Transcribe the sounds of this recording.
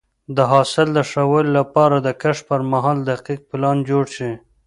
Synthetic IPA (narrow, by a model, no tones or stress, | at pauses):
d̪əɦɑsɪld̪əʂawəlolapɑɾad̪əkaʂpəɾmaɦɑld̪aqiq̚pɪlɑnd͡ʒoɽʃi